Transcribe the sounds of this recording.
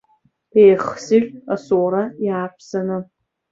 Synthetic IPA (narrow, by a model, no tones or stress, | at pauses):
ejχsɪʒʲasowɾajaːpʰsanɨ